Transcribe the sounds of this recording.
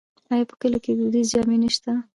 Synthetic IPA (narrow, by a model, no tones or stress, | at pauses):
ajɑpə̥kəloked̪ud̪izd͡ʒɑmenəʃt̪a